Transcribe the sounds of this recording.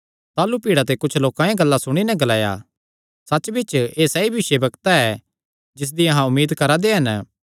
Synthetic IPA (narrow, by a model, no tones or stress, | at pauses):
t̪aːlupiːɽat̪̬ekʊt͡ʃʰloːkãjẽɡɐlːasʊɽ̃inɛɡɐlaːja̰ | sɐt͡ʃbɪt͡ʃeːsɐibʱɪʃebɐkt̪aɛ | d͡ʒɪs̬d̪iɐɦãʊmːiːd̪kɐɾad̪eɦɐn